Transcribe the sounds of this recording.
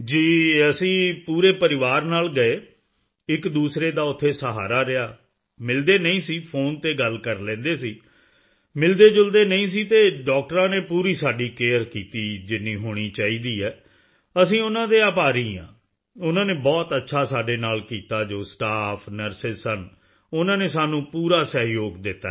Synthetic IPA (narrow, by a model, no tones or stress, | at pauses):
d͡ʒiːəsĩːpuːɾeːpəɾɪʋaːɾnaːlɡəeː | ɪkd̪uːsɾeːd̪aːʊt̪ʰːeːsəɦaːɾaːɾɪjaː | mɪld̪eːnəĩːsiːpʰoːnt̪eːɡəlkəɾlɛ̃ːnd̪eːsiː | mɪld̪eːd͡ʒʊld̪eːnəĩːs̬iːt̪eːɖɔːk̚ʈəɾãːneːpuːɾiːsaːɖiːkeːəɾkiːt̪iːd͡ʒɪnːiːɦoːɽ̃iːt͡ʃaːiːd̪iːɛː | əsĩːʊnãːd̪eːaːpaːɾiːã̰ː | ʊnãːneːbɔːt̪ətːʃʰaːsaːɖeːnaːlkiːt̪aːd͡ʒoːsʈaːpʰnəɾsɪsən | ʊnãːneːsaːnũːpuːɾaːsəɦjoːɡd̪ɪt̪ːa̰ː